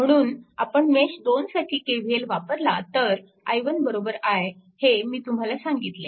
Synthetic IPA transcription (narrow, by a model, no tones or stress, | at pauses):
m̤əɽ̃uːna̰pəɳmeɕd̪onsaʈʰiːkeʋ̤ielʋapəɾlat̪əɾ | a̰jʋənbəɾobəɾaj | hemiːt̪um̤alasaŋɡit̪le